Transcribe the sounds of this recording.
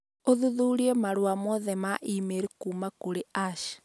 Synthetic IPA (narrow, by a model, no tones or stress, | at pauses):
oðuðuɾiɛmaɾwamɔðɛmaʔimeɾekuːmakoɾeʔaʃ